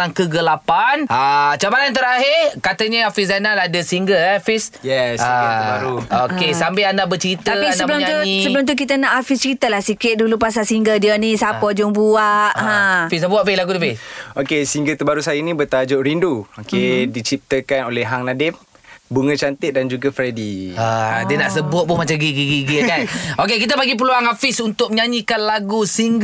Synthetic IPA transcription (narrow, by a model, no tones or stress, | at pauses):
aŋkəɡəlapanat͡ʃabalant̪əɾaɦɪrkat̪əɲəafisanaladəsiŋɡəlafisjɛsabaɾuokesampeandabət͡ʃəɾit̪əapinsəbəlʊmt̪usəbəlʊmt̪̬ukit̪ənaʔafist͡ʃəɾit̪əlahsikɪt̪̚dulupas̬asiŋɡəldiənisapɔd͡ʒʊŋbuaʔɦãfisabuaʔpɪlaɡut̪upeokesiŋɡət̪əbaɾusajinĩbət̪ad͡ʒʊʔɾinduokedit͡ʃip̚t̪əkanolɛɦaŋnadɪf̚ | buŋət͡ʃant̪ɪʔ̚dand͡ʒuɡafɾediadiənaʔsəbʊt̪̚pʊhmat͡ʃamɡiɡiɡiɡəkanokekit̪əpaɡip̬əluaŋafisunt̪ʊk̚məɲaɲikanlaɡusiŋɡ